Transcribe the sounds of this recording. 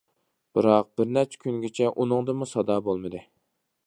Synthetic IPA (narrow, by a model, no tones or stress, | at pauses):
b̥ɨɾɑq̚b̥ɪɾnɛt͡ʃʰːɛ̥kʲʰynɡʲɪt͡ʃʰɛʔunɨŋd̪ɨmusɑd̪ɑːbolˠmɨd̪ɨ